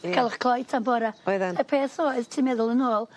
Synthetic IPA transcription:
kʰalˠɪχkʰlˠɔjtʰambɔɾaojðanəpʰeːθoːɨðtʰiːmɛðʊlˠənoːlˠ

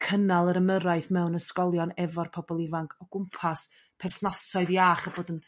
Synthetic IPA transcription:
kʰənalˠəɾəməɾaɨθmɛwnəskɔlˠjɔnɛvɔrpʰɔbɔlˠivaŋkʰɔɡ̥ʊmpʰas | pʰɛrθnɔsɔɨðiaːχəboːdən

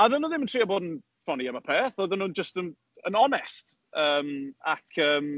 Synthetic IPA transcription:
aðənuðɪməntʰriːaboːdn̩ | fɔniamapʰeːθɔðənud͡ʒəstən | ənɔnɛst | əːma̰kʰəːm

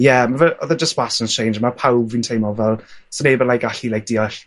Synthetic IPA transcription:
jɛmavəʔɔðəd͡ʒəstwasə̃nst͡ʃʰẽj̃nd͡ʒmapʰawbvintʰejmɔvɛlˠsənebənlajkaɬilajk̚d̥iɔɬ

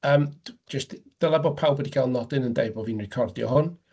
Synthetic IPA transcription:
əːmd͡ʒəstd̥əlˠɛbɔpʰawlˠbwɛdikʰaɪlˠnɔdɪnəndḛjbɔviːnrɪkʰɔrdjɔ̰ɦʊn

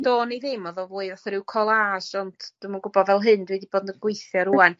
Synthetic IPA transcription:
doːnejðejmɔðɔvuːɨðaθɛɾɪwkʰɔlˠaʃɔntʰd̥ɨmaɡʊbɔdvɛlˠɦɨndwɛdiboːdnəɡwejθjɔɾuan

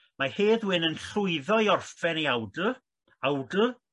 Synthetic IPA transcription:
maheːðwɪnənɬʊɨðɔjɔrfɛneawdə | awdə

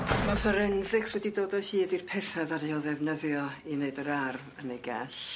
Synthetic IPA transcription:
mɔfəɾɛnzɪkswɛdidoːdɔhiːdirpʰɛθaðaɾeɔðɛvnəðjɔineɨdəɾarvənɛɡɛɬ

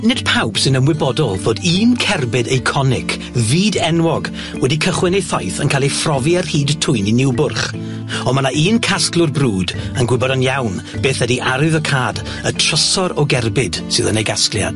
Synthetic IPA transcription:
nɪd̥pʰawpsɪnəmwɪbɔdɔlˠvoːdiːnkʰɛrbɨdejkʰɔnɪkʰ | viːdɛnwɔɡ | wɛdikʰəχwɛnejθajθənkʰalˠifrɔviərhiːdtʰʊɨninɪwbʊrχ | ɔmanaʔiːnkʰasklˠʊrbruːdənɡwɪbɔɾənjawn | b̥eːθɛdiʔaɾɨðəkʰaːd | ətʰrəsɔɾɔɡɛrbɪd̥sɨðənejɡasklˠja̰d̥

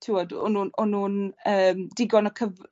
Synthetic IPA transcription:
tʰɪwɔdɔ̰nuːnɔnuːnəːmdɪɡɔnəkʰəv

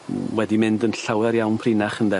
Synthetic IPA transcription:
wɛdimɪndənɬawɛɾjawnpʰrɪnaχəndɛ

